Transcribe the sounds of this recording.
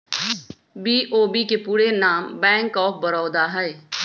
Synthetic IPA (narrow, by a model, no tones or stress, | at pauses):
biːʔoːbiːkeːpuːɾeːnaːmbɛ̃ːŋkɔːp̚ʰbəɾɔːd̪aːɦɛeː